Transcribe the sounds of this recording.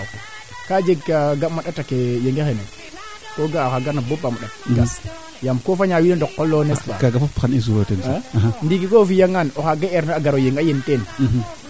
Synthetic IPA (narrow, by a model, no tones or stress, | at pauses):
k | kad͡ʒeɡkaɡamaɗatakejeŋɡexene | koɡakaɡaɾnabobamaɗat̚ɡa | jamkofaɲawinandokːolːonespa̰kaɡafafxanis̬uɾotensaɦandikikofijaŋanoxaɡaeɾnaaɡaɾojeŋɡajenten